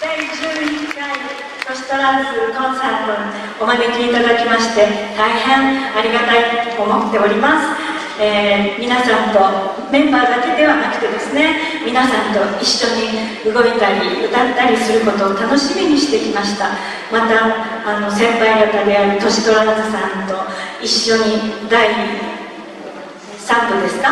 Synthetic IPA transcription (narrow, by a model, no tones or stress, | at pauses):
d̪aid͡ʑɨːɯɲiai | t̪o̞ɕi̥t̪o̞ɾasɨnõɰ̃sãnt̪o | omane̞kʲiːt̪ad̪akʲimaɕi̥t̪e̞t̪aihẽ̞ɰ̃aɾʲiɡat̪ait̪oːmo̞t̪ːe̞o̞ɾʲimasɨ̥ | eːmʲinasãnt̪o̞ | mẽ̞mbaːd̪ake̞d̪e̞βanakɯ̟̥t̪e̞d̪e̞sɨne̞ | mʲinasãnt̪o̞iɕːo̞ɲ̟i | ɯɡo̞it̪aɾʲiɯt̪at̪ːaɾʲisɨɾɯ̟ko̞t̪o̞ːt̪ano̞ɕimʲiɲ̟iɕi̥t̪e̞kʲimaɕi̥t̪a | mat̪aː | no̞sẽ̞mpaiɡat̪ad̪e̞aɾɯ̟t̪o̞ɕi̥d̪o̞ɾaazɨsãnt̪o̞iɕːo̞ɲ̟id̪ai | sãmpɯ̟d̪e̞sɨ̥ka